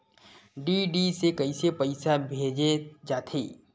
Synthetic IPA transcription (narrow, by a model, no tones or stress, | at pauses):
ɖiɖisekɐisepɐɪsabʱeːd͡ʒed͡ʒaːt̪ʰḛː